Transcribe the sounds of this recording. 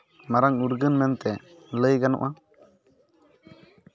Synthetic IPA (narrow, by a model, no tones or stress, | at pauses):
maɾaŋuɾɡənmɛnt̪ɛ | ləjɡanɔ̰ʔa